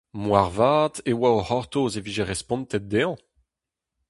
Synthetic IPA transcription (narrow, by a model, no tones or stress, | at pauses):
mwaʁvaːt̪ewaohɔʁt̪ozeviʒeʁɛspɔ̃nt̪ɛt̚d̪eɑ̃